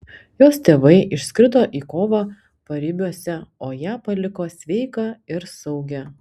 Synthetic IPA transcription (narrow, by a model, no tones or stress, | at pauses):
joːst̪ʲeːʋɐɪʔɪʃʲsʲkʲɾʲɪd̪oːʔiːkoːʋɑː | pɐɾʲɪbʲuɔsʲɛoːjæːpɐlʲɪkoːsʲʋʲɛɪkɑɪɾsɐʊɡʲɛ